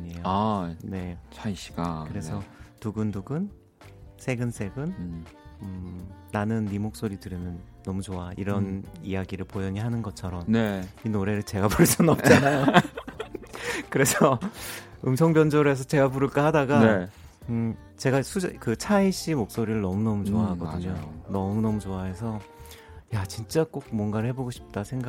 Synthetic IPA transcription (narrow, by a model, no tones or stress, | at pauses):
aɲiejoane̞t͡ɕʰaiɕ͈i̥ɡakɯɾe̞sʰʌtuɡɯnduɡɯn | sʰe̞ɡɯnsʰe̞ɡɯn | ɯː | anɯnːimok̚s͈oɾidɯɾenɯnːʌmut͡ɕoaiɾʌnijaɡiɾɯɭpojʌɲiɦanɯnɡʌt͡ɕʰʌɾʌmneinoɾe̞ɾɯɭt͡ɕe̞ɡapuɭs͈unʌp̚t͡ɕ͈anajo | kɯɾe̞sʰʌ | ɯmsʰʌŋbjʌnd͡ʑoɾe̞s̬ʰʌt͡ɕe̞ɡapuɾɯɭk͈ʌhadaɡa | ɯ | t͡ɕe̞ɡasʰud͡ʑkɯt͡ɕʰaiɕ͈imok̚s͈oɾiɾɯɭnʌmunʌmut͡ɕoaɦaɡʌdɯɲonʌmunʌmut͡ɕoaɦe̞sʰʌ | jat͡ɕint͡ɕ͈ak͈ok̚mwʌnɡaɾɯɭhe̞boɡoɕʰi̥p̚t͈asʰeŋɡa